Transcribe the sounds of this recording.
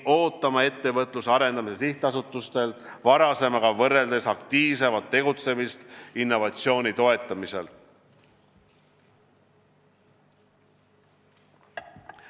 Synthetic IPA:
o̞ːt̪ːˑɑmɑe̞t̪ːe̞vɤt̪ˑlusɑɾe̞nd̪ɑmise̞siht̪ɑsut̪ːˑust̪e̞lt̪vɑɾɑse̞mɑɡɑvɤrːe̞ld̪̥esɑkt̪iːvse̞vɑt̪ːe̞ɡ̥ut̪se̞mist̪inːo̞vɑt̪sio̞ːnʲit̪o̞e̞t̪ːˑɑmise̞l

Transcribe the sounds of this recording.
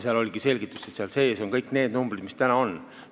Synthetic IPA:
seɑlo̞lʲiɡ̥ise̞lʲɡ̥it̪ːˑu̥set̪seɑlse̞ːso̞ŋkɤjkˑne̞ːd̪̥numbrid̪̥mist̪ænɑo̞n

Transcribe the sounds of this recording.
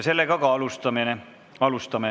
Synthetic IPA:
selːekɑkɑɑlust̪ɑmine | ɑlust̪ɑme

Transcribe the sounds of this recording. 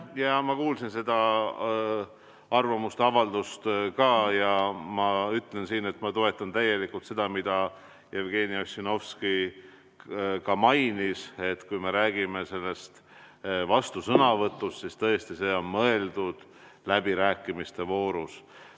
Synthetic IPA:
jɑmɑkuːlsinse̞d̪̥ɑ | ɑrvɑmust̪ɑvɑld̪̥ust̪kɑːjɑmɑyt̪le̞nsiːne̞t̪ːˑmɑt̪o̞e̞t̪ːˑɑnt̪æje̞likult̪se̞d̪̥ɑmid̪̥ɑ | jevɡ̥e̞ːniosino̞vski | kɑmɑjnise̞t̪kujme̞ɾæːɡ̥ime̞se̞lːe̞st̪vɑst̪usɤnɑvɤt̪ːˑust̪sist̪ɤest̪ise̞ːo̞nmɤe̞ld̪ud̪̥ | læbiɾæːkːˑimist̪e̞vo̞ːɾus

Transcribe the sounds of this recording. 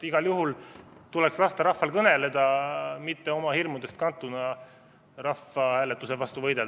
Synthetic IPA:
iɡ̥ɑljuɦult̪ulekslɑst̪ɑɾɑhfɑlkɤne̞le̞d̪̥ɑmit̪ːe̞o̞mɑhirmud̪e̞st̪̚kɑnt̪ːˑunɑ | rɑfɑhæːlet̪ːˑusevɑst̪uvɤjd̪el

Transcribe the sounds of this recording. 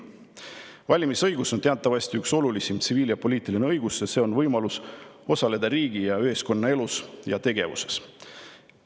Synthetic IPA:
vɑlʲimisɤjɡ̥uso̞nt̪e̞ɑt̪ːˑɑvɑst̪iykso̞lulisimt̪siviːljɑpo̞lʲiːt̪ˑilineɤjɡ̥usjɑse̞ːo̞nvɤjmɑlus | o̞sɑle̞d̪ɑɾiːɡ̥ijɑøɦesko̞nːɑe̞lusjɑ̰t̪e̞ɡ̥e̞̰vṵse̞̥s

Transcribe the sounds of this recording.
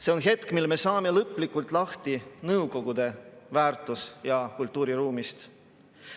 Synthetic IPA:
se̞o̞nɦe̞t̪kmilme̞sɑːme̞lɤpˑlikːˑult̪ˑlɑht̪inɤwko̞ɡ̥ud̪̥e̞væːrt̪ːˑusjɑkult̪ːˑuːɾiɾuːmist̪

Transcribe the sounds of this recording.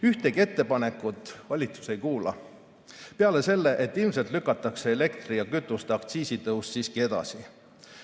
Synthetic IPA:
yht̪eɡie̞t̪ːe̞pɑne̞kːˑut̪ːˑvɑlʲit̪su̥se̞jkuːlɑ̰ | peɑle̞se̞lːe̞ʔet̪ːˑilmse̞lt̪lykːˑɑt̪ːˑɑkse̞ele̞kt̪rijɑkyt̪ːˑust̪eɑkt̪siːsit̪ɤusːiːskie̞d̪̥ɑ̰si

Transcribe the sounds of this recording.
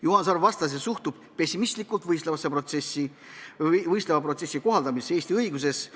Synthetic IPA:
juhɑns̬ɑrvɑst̪ɑs̬jesuht̪ub̥pe̞sʲːimist̪likːˑult̪vɤjst̪levɑseprot̪sesi | vɤjst̪levɑprot̪se̞sʲːiko̞ɦɑld̪ɑmise̞ːsʲt̪iɤjɡus̬e̞s

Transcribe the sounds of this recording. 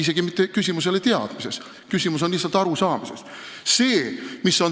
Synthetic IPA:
is̬e̞ɡ̥imit̪ˑːe̞kysʲimus̬e̞let̪eɑ̰d̪̥mise̞s | kysʲimus̬onlihsːɑlt̪ɑɾusɑːmise̞s | se̞ːmisːo̞n

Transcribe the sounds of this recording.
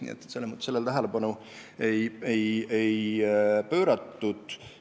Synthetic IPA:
nḭḛt̪ːˑselːemut̪se̞lːelt̪æɦelepɑnu | e̞jejejpøːɾɑt̪ːud̪̥

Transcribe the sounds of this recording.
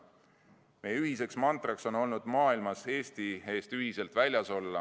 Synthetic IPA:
me̞jyɦise̞ksmɑnt̪ˑrɑkso̞no̞lnud̪̥mɑːilmɑse̞ːst̪ie̞ːst̪yɦise̞lt̪ˑvælʲjɑso̞lːɑ̰

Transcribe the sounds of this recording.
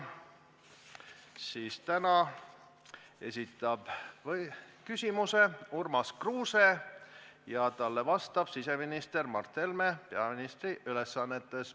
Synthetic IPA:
siːst̪ænɑ | e̞sʲit̪ːˑɑb̥v | kysʲimuse̞urmɑskruːse | jɑt̪ɑlːe̞vɑst̪ɑb̥sise̞minist̪e̞rmɑrt̪ːelme̞pe̞ɑminist̪riʔyle̞sːɑnːe̞t̪ːˑe̞s

